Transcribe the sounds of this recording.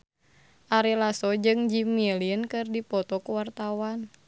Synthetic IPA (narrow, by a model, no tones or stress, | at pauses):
ʔaɾilasɔd͡ʒɨŋd͡ʒimiɛliənkɨrdipɔt̪ɔkuwart̪awan